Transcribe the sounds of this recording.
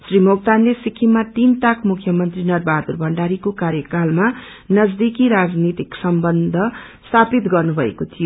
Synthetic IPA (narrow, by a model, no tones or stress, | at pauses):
srimoɡ̚t̪anlesikʰimːat̪int̪akmukʰːjʌmʌnt̪rinʌrbʱad̪urbʱʌɳɖaɾikokaɾjʌkalma | nʌd͡zd̪ikiɾad͡znit̪iksʌmbʌnd̪ʱʌst̪ʰapit̪ɡʌrnubʱʌḛkot̪ʰijo